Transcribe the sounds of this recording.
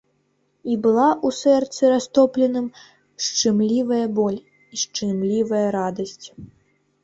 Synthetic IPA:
ibɨlˠaʔusɛrt̪sɨɾast̪ɔplʲɛnɨm | ʂt͡ʂɨmlʲivɐjɐbɔlʲ | iʂt͡ʂɨmlʲivɐjɐɾad̪ɐsʲt͡sʲ

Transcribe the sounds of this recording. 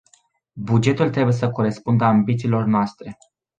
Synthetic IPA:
bud͡ʒe̞t̪ult̪ɾe̞buje̞səko̞ɾe̞spund̪əambit̪siːlo̞rnoast̪ɾe̞

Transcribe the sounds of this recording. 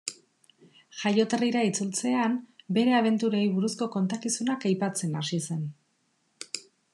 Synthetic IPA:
ʝajo̞t̪eriɾait͡sult͡se̞ambe̞ɾe̞aβ̞e̞nt̪uɾojβuɾusko̞ko̞nt̪akisunakajpat͡se̞nasise̞n

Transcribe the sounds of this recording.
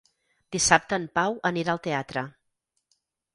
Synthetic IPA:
d̪̥isap̚t̪əːmpawəniɾaəlˠt̪eat̪ɾə

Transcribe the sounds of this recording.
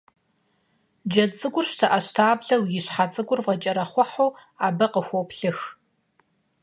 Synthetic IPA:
d͡ʒɐt͡sʼɨɡʷʊrʃtʰɐʔɐɕtʰaːbɮɐwjɪɕħat͡sʼɨɡʷʊrvʁɐt͡ʃʼɐɾɐχʷɔħow | aːbɐqəxʷopɬɨx

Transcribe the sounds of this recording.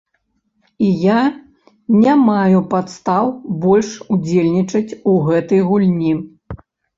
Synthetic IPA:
ija | nʲamajupat̪st̪awbɔlʲʂud͡zʲelʲnʲit͡ʂɐt͡sʲuɣɛt̪ɐjɣulʲnʲi

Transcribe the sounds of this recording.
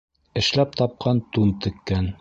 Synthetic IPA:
ɘ̆ʃlæp̚t̪ɑp̚qʰɑnt̪unt̪ɘ̆kːæn

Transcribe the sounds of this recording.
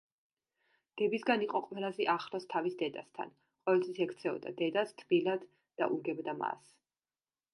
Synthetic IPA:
d̪̥ɛbisɡaniqʼɔqʼwɛlˠazɛʔaχɾɔst̪ʰavisd̪ɛd̪ast̪ʰa̰n | qʼɔvɛlt̪ʰwisɛkʰt̪sʰɛɔ̰d̪a̰d̪ɛd̪ast̪ʰbilad̪ | d̪̥a̰ʔuɾɡɛbd̪ama̰s

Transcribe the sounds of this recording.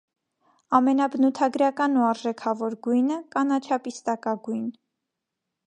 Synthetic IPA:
ɑmɛnɑbənut̪ʰɑɡɾɑkɑnuɑɾʒɛkʰɑvɔɾɡujnəkɑnɑt͡ʃʰɑpist̪ɑkɑɡujn

